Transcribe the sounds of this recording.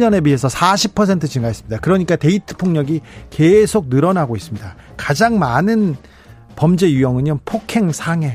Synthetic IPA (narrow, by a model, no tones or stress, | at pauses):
ɲʌne̞biɦe̞sʰʌsʰaɕʰipʰʌs̬ʰe̞ntʰɯt͡ɕinɡaɦes͈ɯmɲidakɯɾʌɲik͈ate̞itʰɯ̥pʰoŋɲʌɡike̞sʰok̚nɯɾʌnaɡois͈ɯmɲida | kad͡ʑaŋmanɯn | pʌmd͡ʑe̞jujʌŋɯnɲʌpʰokʰe̞ŋsʰaŋe̞